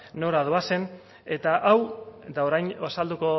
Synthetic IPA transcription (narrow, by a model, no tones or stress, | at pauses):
o̞ɾaðuase̞n | e̞t̪aʔawd̪aoɾajnoasald̪uko̞